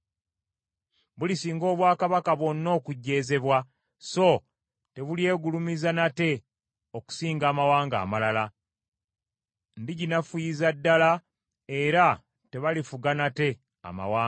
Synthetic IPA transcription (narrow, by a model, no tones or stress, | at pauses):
βulisiːŋɡo̞ːβwaːkaβakaβwo̞nːo̞ːkuɟːe̞ːze̞βwa | so̞ | te̞βulje̞ːɡulumizanate̞ | oku̥siːŋɡaːmawaːŋɡa̰ːmalala | ndiɟinafujizadːala | e̞ɾa | te̞βalifuɡanate̞ | a̰ma̰waː